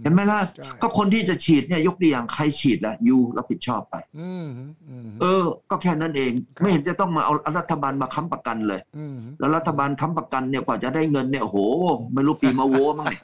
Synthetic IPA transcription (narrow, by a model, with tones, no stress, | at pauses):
he˨˦nmɛː˥˩lɛ˦˥kɔː˥˩kʰo˧nt̪ʰiː˥˩t͡ɕa˨˩t͡ɕʰiː˨˩t̪̚ni˥˩ɐjo˦˥k̚du˧˨jaː˨˩ŋkʰa˧jt͡ɕʰiː˨˩t̪̚lɛ˦˥juː˧lɛ̰˦˩pʰi˨˩t̪̚t͡ɕʰɔː˥˩pːa̰˧j | ʔɤː˧kɔː˥˩kʰɛː˥˩na˦˥˩nʔeː˧ŋma˥˩jhe˨˦nt͡ɕa˨˩t̪ɔ˥˩ŋmaː˧ʔa˧wʔa˧wɾa˦˥t̪ʰːa˧baː˧nmaː˧kʰa˦˥mpɾa˧ka˧nlɤː˧jlɛː˦˥wɾa˦˥t̪ʰːa˧baː˧nkʰa˦˥mpɾa˧ka˧nːi˥˩kwaː˨˩t͡ɕa˨˩daː˥˩jŋɤ˧nːi˥˩ɐʔo˧hoː˨˩˦ma˥˩jɾuː˦˥˩piː˧maː˧woː˧˥ma˥˩ŋa˧˩